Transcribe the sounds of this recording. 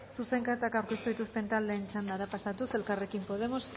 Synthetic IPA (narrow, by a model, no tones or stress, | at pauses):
suse̞ŋkat̪akawɾke̞st̪uðit̪ust̪e̞nt̪ald̪e̞ːnt͡ʃand̪aɾapasat̪use̞lkare̞kimpo̞ð̞e̞mo̞s